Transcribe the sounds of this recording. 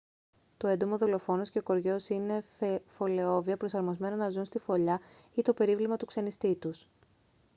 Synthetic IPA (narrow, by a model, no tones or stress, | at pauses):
t̪oe̞nd̪o̞mo̞ðo̞lo̞fo̞nosce̞oko̞ɾʝo̞sine̞fo̞le̞o̞viɐpɾo̞sɐɾmo̞zme̞nonɐzunst̪ifo̞ʎɐ | it̪o̞pe̞ɾivlimɐt̪ukse̞nist̪it̪us